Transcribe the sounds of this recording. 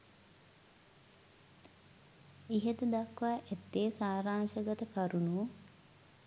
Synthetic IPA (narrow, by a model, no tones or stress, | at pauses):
iɦed̪əd̪akʋaːʔæt̪ːeːsaːɾaːŋʃəɡət̪əkaɾunu